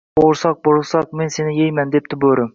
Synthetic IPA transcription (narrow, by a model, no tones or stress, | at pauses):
boɾsɑq̚boɾʁsɑq̚mensenɪjejmɛnd̪ep̚t̪ʰɪbøɾɪm